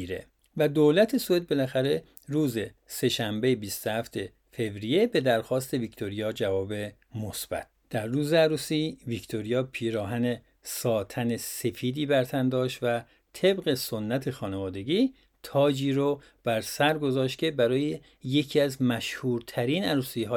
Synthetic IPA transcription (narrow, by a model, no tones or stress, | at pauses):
iɾḛ | væd̪oːlæt̪ʰe̞soed̪̚be̞læxæɾe̞ | ɾuːze̞ | se̞ʃæmbe̞jbiːst̪ohæft̪ʰe̞ | fe̞vɾije̞be̞d̪æɾxɒːst̪e̞vikt̪ʰo̞ɾijɒːd͡ʒævɒːbe̞ | mosb̥æ̰t̪̚ʰd̪̥æɾːuːzeæɾuːsiːvikt̪ʰoɾijɒːpʰiːɾɒːɦæne̞ | sɒːt̪ʰæne̞se̞fiːd̪iːbæɾt̪ʰænd̪ɒːʃt̪væ | t̪ʰe̞bɣe̞so̞nːæt̪ʰe̞xɒːnevɒːd̪e̞ɡiː | t̪ʰɒːd͡ʒiːɾo | b̥æɾsæɾɡo̞zɒːʃt̪̚cʰʲe̞bæɾɒːje | je̞cʰiːæzmæʃhuːɾt̪ʰæɾiːnæɾuːsiːɦɒː